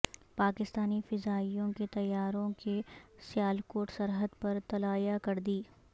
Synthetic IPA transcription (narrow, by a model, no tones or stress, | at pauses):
paːkɪst̪aːnifɪzaːijõket̪ɐjːaːɾõkesjaːlkoːʈsɐɾɦəd̪pɐɾt̪ɐlaːjakɐɾd̪iː